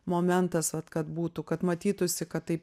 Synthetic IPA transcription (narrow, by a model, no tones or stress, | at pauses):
moːmʲɛnt̪ɐsʋɐt̪kɐt̪buːt̪ʊkɐt̪mɐt̪ʲiːt̪ʊsʲɪkɐt̪t̪ːɐɪp